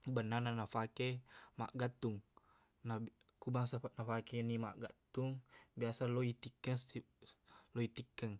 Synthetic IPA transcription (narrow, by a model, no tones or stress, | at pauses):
bənananafakema̰ʔɡat̪ːuŋ | na | kubaŋsaanafakenima̰ʔɡat̪uŋbiasalɔit̪ikːəsi | lɔit̪ikːəŋ